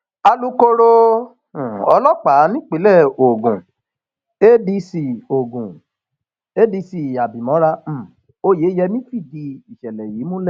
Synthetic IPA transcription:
a˧lu˦ko˧ɾo˧ | ũ˨ɔ˧lɔ˦k͡pa˨˦nĩ˦k͡pe˨˦lɛ˦˨o˨ɡũ˨ | e˦bi˧si˧o˨ɡũ˨ | e˦di˧si˨a˨bĩ˨mɔ̃˨˦ɾa˧˦m̩˦˨ | o˦je˨˦jɛ˧mĩ˦fi˦˨di˧i˨ʃɛ˨lɛ˨jiː˨˦mũ˦lɛ˦˨

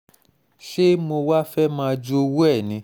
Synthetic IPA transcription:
ʃe˦mo˧wa˦fɛ˦mãː˧d͡ʒo˦wu˦ɛ˦˨nĩ˨˧˦

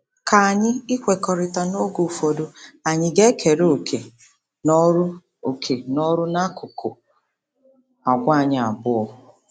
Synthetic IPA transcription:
ka˨a˨ɲɪ˦ɪ˦kʷe˨kɔ˨ɾɪ˨ta˨no˦ɡo˨fo˨do˨a˨ɲɪ˦ɡe˦kʰe˨ɾo˨kʰe˨ | nɔ˦ɾʊ˦ | o˨kʰe˨nɔ˦ɾʊ˦na˦kʊ˨kʰʊ˨ | a˨ɡʷa˦˨ɲɪ˦a̰˨bʊ˦ɔ˦

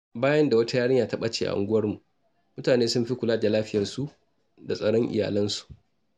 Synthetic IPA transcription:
baː˦jɐ˦nda˨wɐ˦ta˦jaː˦ɽɪ˦ɲjaː˨tɐ˦ɓa˦t͡ʃeː˨ʔa̰˨ʔa̰˨ŋɡʊ˦wɐ˦rmu˨ | mʊ˦taː˨neː˦sʊ˦mɸi˦kʷʊ˨laː˦da˨laː˦ɸɪ˦jɐ˨rsu˦ | da˨sʼɐ˦ɽɔ˦ŋʔɪ̰˨ja̰ː˨lɐ˦nsu̥˨ʔ

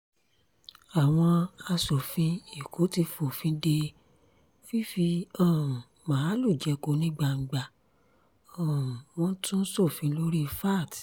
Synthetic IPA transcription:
a˨w̃ɔ̃˧a˧sɔ˨fĩ˧˦i˨kʰo˨˦ti˧fo˨fĩ˨˦de˧ | fi˦fi˧ɔ̃˦˨ | mãː˨˦lu˦˨d͡ʒɛ˨˧ko˨˧˦nĩ˦ɡ͡ba˧ŋ̩˨ɡ͡ba˨ | ɔ̃˨w̃ɔ̃˦tũ˦n̩˦sɔ˦˨fĩ˨˧˦lo˦ɾi˦˧fa˦˨t

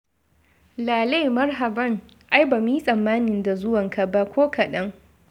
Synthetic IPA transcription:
laː˨le˦˨mɐ˦rɦa˨bɐ˦ŋ | ʔa˦jba˨mi˦sʼɐ˨mːaː˦nɪ˨nda˨zʊ˦wɐ˨ŋkʰa˨ba˦kʷʰoː˦kʰa˨ɗɐ˦ŋ

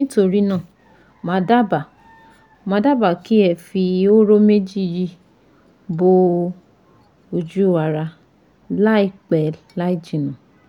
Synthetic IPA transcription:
ĩ˦to˧ɾi˦nãː˦˨ | mã˨˧da˦ba˨ | mã˧˦da˦ba˨ki˦ɛ˧˨fi˧o˦ɾo˦me˦d͡ʒi˦˨ji˧ | bo˧ | o˧d͡ʒu˦wa˧ɾa˧ | la˦i˦˧k͡pɛ˨la˦i˦˨d͡ʒĩ˨nã˨

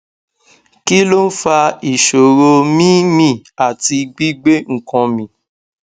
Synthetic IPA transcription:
ki˦lo˦n̩˦fa˧i˨ʃo˨ɾo˧mĩ˦mĩ˦˨a˨ti˧ɡ͡bi˦ɡ͡be˦ŋ̩˨kɔ̃˧mĩ˧˦

